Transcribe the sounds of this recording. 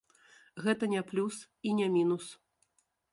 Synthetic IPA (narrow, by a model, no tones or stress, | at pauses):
ɣɛt̪ɐnʲɛplʲus | inʲɛmʲinus